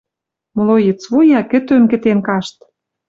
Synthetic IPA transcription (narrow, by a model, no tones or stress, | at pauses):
mɤ̆lojet͡svojɑkɘ̆t̪ømkɘ̆t̪enkɑʃt̪